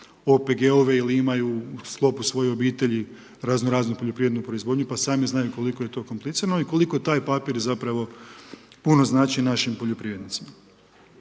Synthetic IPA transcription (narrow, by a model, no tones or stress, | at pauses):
opeɡeo̞ʋe̞iliimajuːsklˠo̞pusʋo̞jeo̞biːt̪e̞ʎi | ɾaːznoɾaːznupo̞ʎopɾiːʋɾed̪nupɾoizʋo̞ːd̪ɲupasaːmiznajuko̞liko̞jet̪o̞ko̞mplˠit̪siːɾanoiko̞likot̪aːjpapiɾzapɾaʋo̞ | puno̞znaːt͡ʃinaʃimpo̞ʎo̞pɾiːʋɾed̪nit̪sima